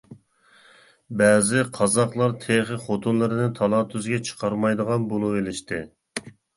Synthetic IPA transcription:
bæːzɪqʰɑzɑqlˠɑɾt̪ʰeχəχot̪ʰunlˠɨɾɨnɪt̪ʰɑlˠɑt̪ʰyzɡʲɛt͡ʃʰə̥qʰɑɾmɑjd̪əʁɑnbolˠuelɪʃt̪ʰɪ

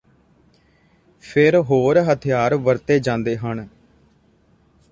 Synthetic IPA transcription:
pʰɪɾɦoːɾɦət̪ʰɪjaːɾʋəɾt̪eːd͡ʒãːnd̪eːɦən

